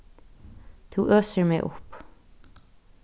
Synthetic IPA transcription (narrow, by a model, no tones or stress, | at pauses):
t̪ʰuːʔøːsəɹmɛʔʊ̰p